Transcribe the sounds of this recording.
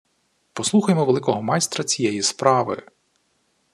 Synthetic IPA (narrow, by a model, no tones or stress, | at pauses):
pɔsˠuxɐjemɔʋelˠɪkɔɦɔmɑjst̪ɾɐt͡sʲijɛjispɾɑʋɪ̰